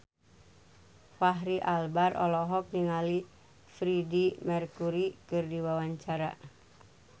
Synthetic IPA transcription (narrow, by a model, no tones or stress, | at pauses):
faɦɾiʔalbarʔɔ̰lɔɦɔk̚niŋali | fɾidimɛrkuɾikɨrdiwawaɲt͡ʃaɾa̰